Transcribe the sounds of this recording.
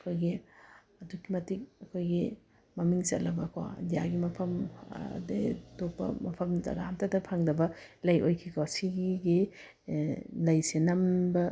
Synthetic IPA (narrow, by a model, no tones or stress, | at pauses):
ɐkʰojɡi | ɐdukːimɐtik̚ɐkʰojɡi | mɐmiŋsɐ̰t̚lɐbɐkʰawa̰dijaɡimɐpʰɐm̰detok̚pɐ̰mɐpʰɐmza̰ɡaamtʰatɐpʰaŋdɐbɐ | lɐjʔojkʰikʰawsiɡɡi | lɐjsenɐmbɐ